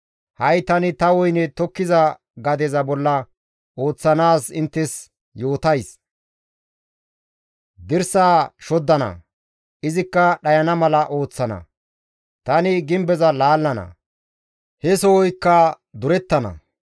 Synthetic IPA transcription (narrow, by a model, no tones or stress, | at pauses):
hɐjt̪ɐnɪt̪ɐwɔjnɛt̪ɔkːɪzɐ | ɡɐd̪ɛzɐbɔlːɐ | ʔo̞ːt͡sːɐnaːsɪnt̪ːɛs | jo̞ːt̪ɐjs | d̪ɪɾsaːʃɔd̪ːɐnɐ̰ | ʔɪzɪkːɐɗɐjɐnɐmɐlɐʔo̞ːt͡sːɐnɐ̰ | t̪ɐnɪɡɪmbɛzɐlaːlːɐnɐ̰ | hɛsɔwɔjkːɐ | d̪ʊɾɛt̪ːɐnɐ̰